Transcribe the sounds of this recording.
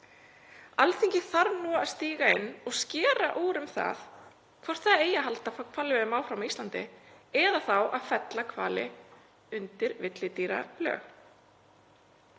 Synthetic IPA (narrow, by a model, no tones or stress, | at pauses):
alθiɲcɪθaɾnuːaaðst̪iːɣaɪnːɔɣscɛːɾaʔuːɾʏmθa̰ð | kʰvɔr̥t̪θaðeːjaɦalt̪afkʰvaːlːɪvðmaːwfɾawmist̪lant̪ɪɛðaθawaðfɛt̪lakʰva̰ːlɪ̰ | ʏnt̪ɪɾvɪt̪lɪt̪iːɾa̰lœ̰ːx